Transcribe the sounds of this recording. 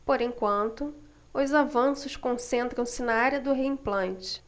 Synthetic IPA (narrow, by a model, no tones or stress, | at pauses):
poɾẽj̃kwɐ̃nt̪ʊ | ʊzavɐ̃sʊʃkõsẽnt̪ɾɐ̃w̃sɪnɐaɾjɐd̪ʊɦeĩplɐ̃nt͡ʃɪ̥